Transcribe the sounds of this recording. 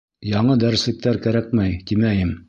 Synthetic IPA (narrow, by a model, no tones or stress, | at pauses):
jɑɴɤd̪æɾɘ̆slɘ̆k̚t̪æɾkæɾæk̚mæjt̪imæjɘm